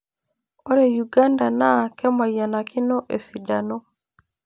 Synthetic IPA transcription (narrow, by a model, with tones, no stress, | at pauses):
ɔ˦ɾɛ˨ju˨ɡa˦nda˨na˦˨kɛ˦ma˨ja˨na˨ki˦nɔ˦ʔe˨si˨da˨no˦